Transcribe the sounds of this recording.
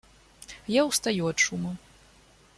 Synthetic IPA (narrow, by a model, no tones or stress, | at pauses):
jawst̪ajuatʂumɐ